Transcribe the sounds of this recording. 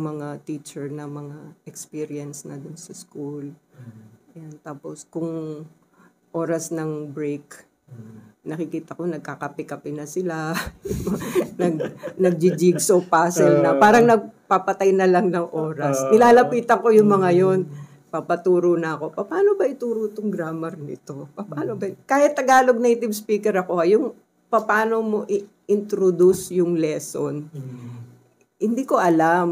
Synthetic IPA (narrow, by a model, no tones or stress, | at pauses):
mɐŋat̪iːt͡ʃɛɹnɐmɐŋaʔɛkspiɾiɐnsnɐd̪ʊnsɐskul | jant̪aːposkʊŋ | ʔo̞ːɾɐsnɐŋbɹejk | nɐkɪkiːt̪ɐko̞nɐɡ̚kaːkɐpɪkɐpɪnɐsɪla | nɐɡ̚nɐɡ̚d͡ʒɪd͡ʒiɡsopaːsɛlnɐpaːɾɐŋnɐɡ̚papɐt̪ajnɐlɐŋnɐŋʔo̞ːɾɐsnɪnaːlɐpiːt̪ɐŋko̞jʊŋmɐŋajon | pɐpɐt̪uːɾonɐɐko̞pɐpaːno̞bɐʔɪt̪uːɾot̪oŋɡɾaːmɛɾnɪ̰t̪o̞pɐpaːnobɐkaːhɪt̪ːɐɡaːlo̞ɡ̚nejt̪ɪbspiːkɛɾɐko̞ʔɐjʊŋ | pɐpaːno̞mo̞ʔɪ | ʔɪnt̪ɾod̪usjʊŋlɛson | hɪnd̪iːko̞ʔɐlam